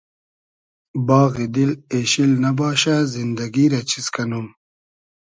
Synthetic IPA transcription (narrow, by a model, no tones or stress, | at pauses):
bɑːɣid̪ileːɕilnabɑːɕazind̪ɐɡiːɾat͡ɕʰiskanum